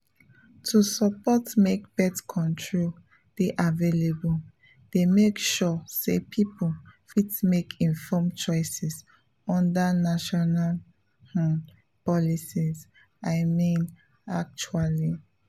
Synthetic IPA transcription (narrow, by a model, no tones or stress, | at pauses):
tʰusɔpɔtmek̚b̥ɛtkʰɔ̃ntʰɹol | d̥eʔavelebul | d̥emekʃɔsepʰipulfitmekʰĩnfɔmt͡ʃɔɪsɛs | ɔ̃ndanaʃɔnal | pɔlisiz | aɪmĩn | ak̚t͡ʃuali